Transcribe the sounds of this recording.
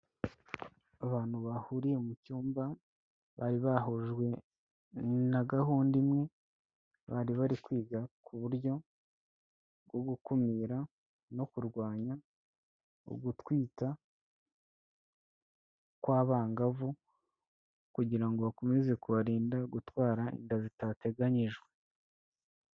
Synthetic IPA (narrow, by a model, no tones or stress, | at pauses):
aβaːn̥huβahuɾije̞mucuːmba | βa̰ɾiβahoʒɡwe̞ | naɡaɦuːndimŋe̞ | βaɾiβaɾikwiːɡakʰuβuɾjo̞ | ɡo̞ɡukomiɾa | no̞kuɾɡwaːɲa | o̰ɡutwiːta | kwaːβaːŋɡavu | kuɟiɾaŋɡo̞βakomeze̞kuβaɾiːndaɡutwaːɾaḭndazitate̞ɡaɲiʒɡwe̞